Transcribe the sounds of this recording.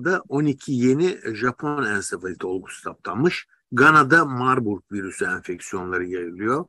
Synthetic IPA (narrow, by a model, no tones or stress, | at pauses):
d̪aʔo̞nicʰije̞niʒapʰonænsevalʲit̪ʰo̞lˠɡusu̥t̪ʰap̚lʰˠanmɯʃ | ɡanad̪amaɾbuɾk̚viɾysyɛnfɛcsijo̞nlˠaɾɯjajɯlˠɯjo̞